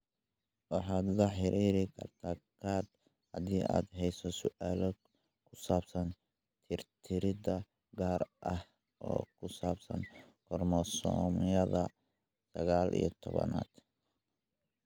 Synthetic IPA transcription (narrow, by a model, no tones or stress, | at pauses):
wɑħɑːd̪lɐħɪɾʔiːɾɪkʰɐ̰rt̪ʰaːkʰaːd̪ | hɐðiːʔa̰ːd̪ɦɛjsɔsʊʔaːlɔ | kʰʊ̥saːb̥sɐn | t̪ʰɪrt̪ʰɪɾɪdɐ | ɡaːrʔɐh | ʔɔ̰ːkʰʊsaːbsɐ̰n | kʰɔrmɔsɔ̰ːmjɐðɐ | sɐɣaːlʔḭjɔt̪ʰɔβɐ̰na̰ːd̪̥